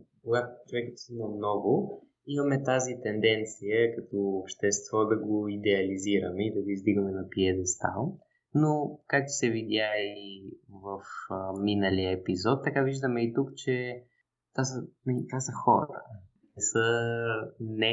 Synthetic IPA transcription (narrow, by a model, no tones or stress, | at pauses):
koɡat̪ʊ̥t͡ʃovɛkət̪sənɐmnɔɡʊ | imɐmɛt̪azit̪ɛnd̪ɛnt̪sijəkɐt̪ɔːpʃt̪ɛst̪vɔd̪ɐɡoid̪ɛɐliziɾəmɛid̪ɐɡoizd̪iɡəmɛnɐpiɛd̪ɛst̪a̰lˠ | nokak̚t̪ʊ̥sɛvid̪ʲjaivəfminəlijəɛpizɔt̪ːɐkaviʒd̪əmɛit̪ukt͡ʃɛ | t̪asənit̪asəxɔɾə̰ | nɛsə | nɛ